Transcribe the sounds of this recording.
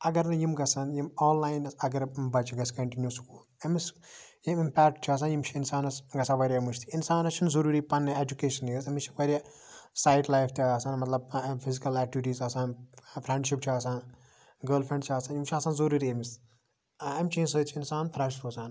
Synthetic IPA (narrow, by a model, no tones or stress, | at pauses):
ɐɡɐɾnɨjimɡɐsɐnjimɔːnlaːjnɐsɐɡɐɾbɐt͡ʃiɡɐskɐɳʈinjusu̥kuːlɐmis | jimimpɛːkʈ̚t͡ʃʰaːs̬ãːnjimt͡ʃʰiinsaːnɐsɡɐsãːʋɐɾʲɐɐmuʃt̪ʰi̥insaːnɐt͡ʃʰinzɐɾuːɾiːpɐnːeed͡ʒukeːʃɐnjizɐmit͡ʃʰi̥ʋɐɾʲɐ | saːjʈlaːjft̪ʲːɐsaːnmɐt̪lɐbfʰizikɐlɛːk̚ʈiʋiʈiːzɐsaːnpʰɾẽɳɖʃipt͡ʃʰiaːsaːn | ɡəːlfɾẽɳɖt͡ʃʰaːsãːnjimt͡ʃʰiɐsaːnzoɾuːɾiɐmis | ɐmt͡ʃʰeːnsəːt͡ʃʰinsaːnfʰɾɐʃtoːsaːn